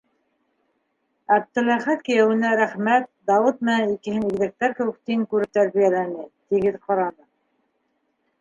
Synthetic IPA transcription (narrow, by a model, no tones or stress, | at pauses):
æb̚d̪ɘ̆læχæt̪̚kɘ̆jæwɘ̆næɾæχmæt̪̚d̪ɑwɤt̪̚mɘ̆nænikɘ̆ɦɘniɡðɘ̆k̚t̪æɾkɘ̆wɘ̆k̚t̪iŋkʉɾɘp̚t̪æɾβijælænɘt̪iɡɘðqɑɾɑnɤ